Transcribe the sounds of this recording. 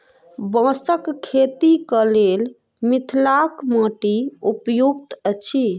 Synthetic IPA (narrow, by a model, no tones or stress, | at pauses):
bə̃səkkʰːet̪ikəlel | mit̪ʰlakmə̃ʈiupjuɡ̚t̪ət͡ʃʰi